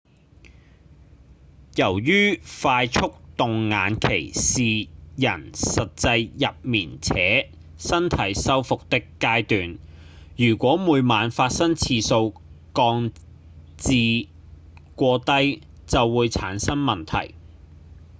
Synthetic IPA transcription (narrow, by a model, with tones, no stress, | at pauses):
jɐ˨˩wjyː˥faː˧jt͡sʰʊ˥k̚t̪ʊ˨ŋŋa̰ː˨˥nkʰe˨˩jsiː˨jɐ̰˨˩nsɐ˨t̚t͡sɐ˧jːɐ˨p̚miː˨˩nt͡sʰɛː˨˥ | sɐ˥nt̪ʰɐ˨˥jsɐ˥wfʊ˨k̚t̪ɪ˥kːaː˥jt̪yː˨n | jyː˨˩kʷɔː˨˥muː˨˧jmaː˨˧nfaː˧t̚sɐ˥ŋt͡sʰiː˧so˧wkɔː˧ŋ | t͡siː˨˧ | kʷɔː˧t̪ɐ˥j | t͡sɐ˨wːuː˨˧jt͡sʰa̰ː˨˥nsɐ˥nmɐ˨˩nt̪ʰɐ̰˨˩j